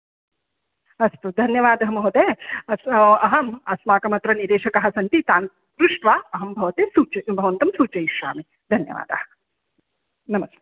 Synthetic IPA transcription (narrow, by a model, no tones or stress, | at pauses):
ɐst̪ud̪ʱɐnjɐʋaːd̪ɐɦɐmɐɦut̪eːɐɐɦɐmɐsmaːkɐmɐt̪ɾɐniɾeːʃɐkɐɦɐsɐnt̪it̪aːn | pɾuʂʈʋaːɐɦɐmbʱɐʋɐt̪eːsuːt͡ʃɐbʱɐʋɐnt̪ɐmsuːt͡ʃɐjiʃɾa̰ːmi | d̪ʱɐnjɐ̰ʋa̰ːd̪a̰ːɐ | nɐmɐst̪eː